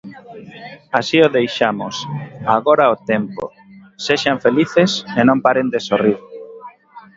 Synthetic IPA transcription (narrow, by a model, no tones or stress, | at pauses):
asioðejʃamosaɣoɾaot̪empo̰ | seʃaɱfeliθesenõmpaɾend̪esoriɾ